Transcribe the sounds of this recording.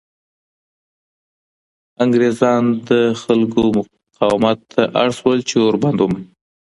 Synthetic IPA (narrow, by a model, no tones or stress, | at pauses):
aŋɡɾezɑnd̪əxalkomʊ | qɑwɪmat̪ʰːaʔaɽswəlt͡ʃeoɾband̪um